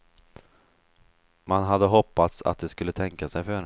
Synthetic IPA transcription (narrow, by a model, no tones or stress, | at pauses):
manɦad̪ːəɦɔpːat̪sa̰t̪̚d̪ɛskɵlːət̪ʰɛŋkasɛjfœɾɛn